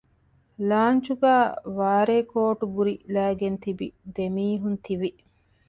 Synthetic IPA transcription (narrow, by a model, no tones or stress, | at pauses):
laːnt͡ʃuɡæːʋaːɾeːkoːʈubuɾilæːɡent̪ibḭd̪emiːɦunt̪iʋi